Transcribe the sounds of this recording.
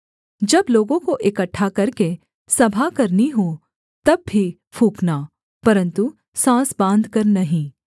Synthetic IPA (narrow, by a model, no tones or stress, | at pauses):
d͡ʒɐbloːɡõkoʔɪkəʈʰːakɐɾke | sɐbʱakɐɾniɦo | t̪ɐbːʱi | pʰuːkna | pɐɾə̃nt̪u | sãːsbãːnd̪ʱkɐɾnɐɦĩː